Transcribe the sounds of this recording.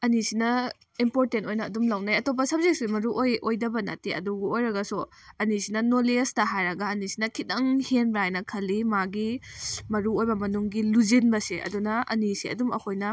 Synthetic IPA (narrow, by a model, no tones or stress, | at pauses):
ɐnisinɐ | impoɾtentojnɐːdumlawnajɐtop̬ːɐsɐb̚zek̚simɐɾuʔojʔojdɐbɐna̰tiɐ̰duɡuojɾɐɡɐsu | ɐnisinɐnolestɐɦajɾɐɡɐɐnisinɐkʰit̚ɐŋhenbɾajnɐkʰɐlːimaɡimɐɾuojbɐmɐnuŋɡiluzenbɐseʔɐ̰dunɐɐ̰nisiɐ̰dumɐ̰kʰojnɐ